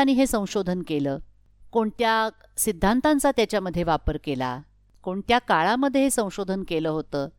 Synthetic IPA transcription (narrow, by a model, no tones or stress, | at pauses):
aɽ̃iːɦesə̃w̃ɕod̪ʱənkeləː | koɳt̪ja | sid̪ʱːant̪ant͡sat̪jat͡ɕjaməd̪ʱːjeʋapəɾkela̰ | koɳt̪jakaɭaməd̪ʱjeɦesə̃w̃ɕod̪ʱənkeləːɦot̪əː